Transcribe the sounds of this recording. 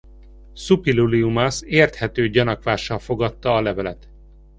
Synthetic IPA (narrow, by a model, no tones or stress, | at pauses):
supiluliumɒseːrt̪hɛt̪øːɟɒnɒkʋaːʃːɒlfo̞ɡɒt̪ːɒːlɛvɛlɛt̪